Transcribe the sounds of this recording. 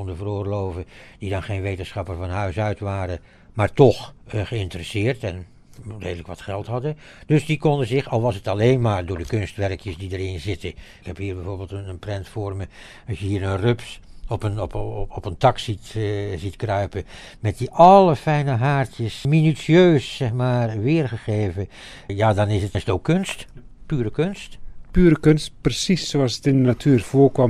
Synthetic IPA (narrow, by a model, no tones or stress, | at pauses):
ndəvərʊːɹlowvədidɑnχejnʋejtənsχɑpərvɑnɦœɥsœɥtʋaːɾə | maːɹtɔχχəɪntərəsɪːɹtɛn | rejdələkʋɑtχɛlˠtɦɑdə | d̥ɵsdikɔndəzɪχɑlˠʋɑsətɑlejnmaːɹdʊːɹdəkɵnstʋɛɹkjəsdidərɪnzɪtəɪkhɛpɦiːɹbɛjvoːɹbeːlˠtənənprɛntfʊːɹmə | ɑsjəɦiːɹənrɵpsɔpənpɔpəntɑksitzitkrœɥpə | mɛt̚diʔɑləfɛjnəɦaːrtjəsminysiøːsːɛχmaːrʋɪːrχəχeːvə | jaːdɑnɪsətsətowkːønst | pyːɾəkønstpyːɾəkɵnst̚prəsisoɑlˠsətɪndənatʰyːɹv̥ʊːɹkʋɑm